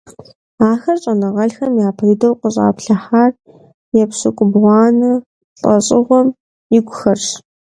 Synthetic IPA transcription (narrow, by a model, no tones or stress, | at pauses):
aːxɐrɕʼɐnɨʁɐɬxɐmjaːpʰəjdɐwqʷəɕʼa̰ːpɬɐħaːr | jɛpsɨkʷʼʊbʁʷɑːnɨ | ɬʼɐɕʼɪʁʷɔm | jɪɡʷʊxɐrɕ